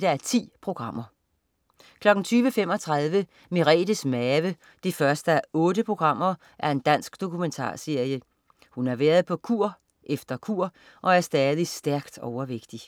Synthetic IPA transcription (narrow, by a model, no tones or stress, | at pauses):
d̥ææɐt͡sʰḭːpʰʁo̝ɡ̥ʁɑ̈m̰ɐ | kʰlɒ̽ɡ̥n̩t͡sʰyːʋəfem̰ɒ̽t͡sʰʁɑ̈ð̞ˠʋə | miʁɛ̰ːd̥əsmɛːʋə | d̥ifɶɐsd̥əæʔɔ̽ːɾəpʰʁo̝ɡ̥ʁɑ̈m̰ɐ | ʔæɐe̝nd̥æn̰sɡ̥d̥o̝kʰument͡sʰɑ̰̈ːse̝ɐ̰jə | hunæɐʋæːɐð̩ˠpʰɒ̽kʰuɐ̰ | ʔefd̥ɐkʰuɐ̰ | ʔɒ̽æɐsd̥ɛːðˠisd̥æɐɡ̥d̥ɒʊɐʋeɡ̥d̥i